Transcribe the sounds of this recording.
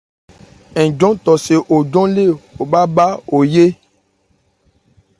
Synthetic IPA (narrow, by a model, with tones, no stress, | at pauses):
ɛ̃˨d͡ʒɔ̃˦t̪ɔ˨se˨ʔo˨d͡ʒɔ̃˦le˦˨o˨ɓa˦ba˦o˨je˦